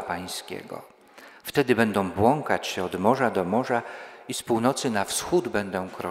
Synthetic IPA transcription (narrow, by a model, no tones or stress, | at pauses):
paj̃skʲɛ̰ɡɔ̰ | ft̪ɛd̪ɘbɛnd̪ɔ̃w̃bwɔŋkat͡ɕɕɛɔd̪mɔʐad̪ɔmɔʐaispuwnɔt̪sɘnafsxud̪bɛnd̪ɔ̃w̃kɾɔ